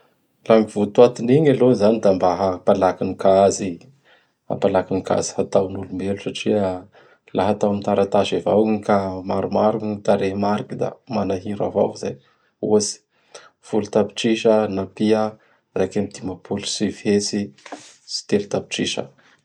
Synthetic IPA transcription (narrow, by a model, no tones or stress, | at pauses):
lamivut̪uat̪iniɲalozanid̪ambaɦapalakinikazi | ha̰palakinika̰zi̥hat̪awnulumelusaʈ͡ʂiə | laɦat̪awmit̪aɾat̪aʃevawkamaɾumaɾuiit̪aɾemaɾikid̪a̰manaɦiɾa̰va̰kizaj | ozi̥ | fulut̪api̥ʈ͡ʂiʃənapia | rakamid̪̥imapʰulu̥sifesi | si̥t̪elut̪api̥ʈ͡ʂiʃə̰